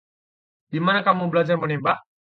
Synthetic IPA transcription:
d̥imanakamubəlad͡ʒarmənebaʔ

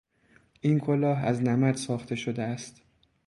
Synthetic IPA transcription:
ʔiːnkʰolɒːɦæznæmæd̪sɒːxt̪ʰe̞ʃod̪eæst̪

